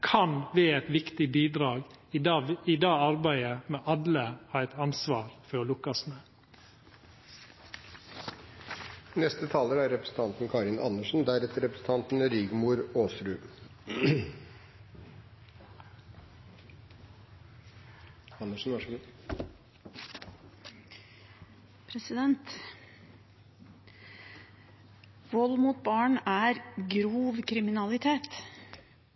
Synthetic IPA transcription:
kʰɑnʋeːɛt̪ʋɪkt̪ɪbiːd̪ɾɑːɡ | ɪd̪ɑːɑɾbæɪəmɛːʔɑləhɑːɾɛt̪ɑnsʋɑːɾfɔɾlʊkɑsmeː | nɛst̪ət̪ʰɑːləɾæɾɾɛpɾəsn̩t̪ʰɑnt̪n̩kʰɑːɾɪnɑ̰nːəʂn̩d̪æɾɛt̪əɾɛpɾəsn̩t̪ʰɑnt̪n̩ɾiɡmuːɾoːsɾʉː | ɑnːəʂn̩ʋɑʂ | pʰɾɛsɪd̪ɛnt̪ | ʋɔlmuːt̪̚bɑːɳʔæːɾɡɾuːʋkʰɾɪmɪnɑlɪt̪ʰeːt̪

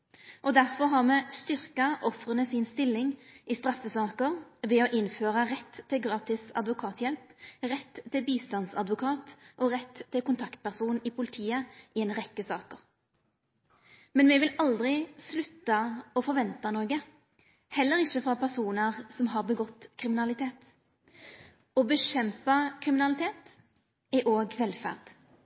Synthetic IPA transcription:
ʔɔd̪æʁfɔʁɦɑʁmɛːst̪ʏʁkɑʔɔfʁənəsɪnst̪ɪlːɪŋʔɪst̪ʁɑfːəsɑːkəʁʋɛɔʔɪnføːʁəʁɛt̪ʰːɪlɡʁɑːt̪ɪsɑ̰d̪ʋʊkʰɑːt̪ʰjɛlpʁɛt̪ʰːɪlbiːst̪ɑnsɑd̪ʋʊkʰɑːt̪ʔɔʁɛt̪ʰːɪlkʊnt̪ʰɑkt̪̚pæʁsuːn̩ɪpʰʊlɪt̪ʰiːəɪɛːnʁɛkːəsɑːkəʁ | mɛnʋɛʋɪlɑld̪ʁɪslʉt̪ːɑɔfɔʁʋɛnt̪ɑnoːɡə | hɛlːəʁɪçəfʁɑpʰæʁsuːnəʁsɔmɦɑːʁbəɡɔt̪ːkʰʁɪmɪnɑlɪt̪ʰeːt̪ | ɔbəʃɛmpɑkʰʁɪmɪnɑlɪt̪ʰeːt̪ | ɛʔoːɡʋɛlfæ̰ʁd̪

